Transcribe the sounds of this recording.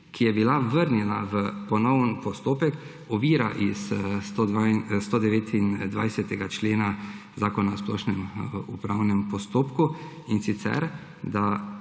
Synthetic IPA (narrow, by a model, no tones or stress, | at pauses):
kʰijɛbilaʋəɾnɛnaʋəpɔnɔwənpɔst̪oːpɛk | ɔʋiːɾaʔist̪od̪ast̪od̪ɛʋeːt̪ind̪ʋa̰jsɛt̪ɛɡat͡ʃleːna | zaːkɔnasplɔːʃnɛmupɾawnɛmpɔst̪oːpku | insit̪sɛ̰ɾ | d̪a